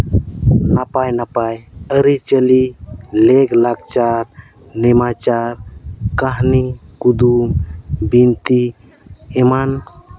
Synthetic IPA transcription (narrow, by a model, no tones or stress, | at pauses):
napajnapajəɾit͡ʃəlileɡlaɡ̚t͡ʃaɾ | nɛmat͡ʃaɾkaɦnikud̪umbint̪i | ɛman